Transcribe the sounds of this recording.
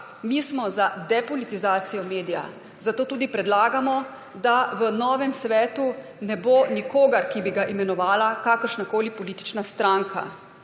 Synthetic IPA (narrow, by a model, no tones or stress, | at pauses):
mismɔzad̪ɛpɔlit̪izaːt̪sijɔmeːd̪ija̰ | zat̪oːt̪uːd̪ipɾɛd̪laːɡamɔ | d̪aʋənɔːʋɛmsʋɛːt̪unɛbonikoːɡɐɾkibiɡaʔimɛnɔʋaːlakaːkəɾʃnakoːlipɔliːt̪i̥t͡ʃnast̪ɾaŋkʰa̰